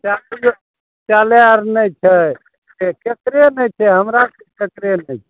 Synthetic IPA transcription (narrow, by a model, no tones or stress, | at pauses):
t͡ʃali | t͡ʃaleəɾnəjt͡ʃʰɛ | teket̪ɾenɛjt͡ʃʰɛɦəmɾakeket̪ɾenɛjt͡ʃʰɛ